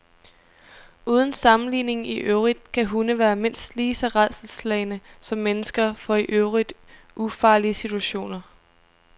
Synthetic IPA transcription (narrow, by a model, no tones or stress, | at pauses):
uːð̞ˠn̩sɑ̈mn̩lḭːne̝ŋiʔøʊʁid̥kʰæɦunəʋæːɐme̝n̰sd̥liːsɒ̽ʁaðˠsl̩slɛɪnəsɒ̽mːenəsɡ̥ɐfɒ̽iʔøʊʁid̥ | ʔufɑ̈ːliəsit͡sʰuæɕo̝̰ːnɐ